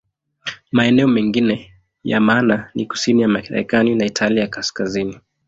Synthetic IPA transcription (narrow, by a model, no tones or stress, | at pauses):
maɛnɛɔmɛŋɡinɛ | ja̰maːnaniku̥sinijamaɾɛ̰kaninaitʰaliakaskazini